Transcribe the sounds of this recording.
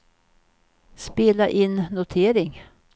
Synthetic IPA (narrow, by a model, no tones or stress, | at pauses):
speːlaʔɪnːʊt̪ʰeːɾɪŋ